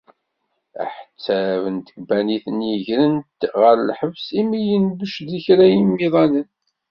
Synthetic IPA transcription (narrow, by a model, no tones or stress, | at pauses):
æ̰ħt͡sːævənt̪ə̥ɡbæniθənjəʝɾənt̪ʁəɾlħəvsimijənðəʃðiçɾæjimːiðˤɑnən